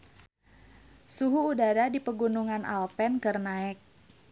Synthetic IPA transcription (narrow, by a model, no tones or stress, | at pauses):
suɦuːdaɾadipəɡunuŋanʔa̰lpɛnkərnaɛk̚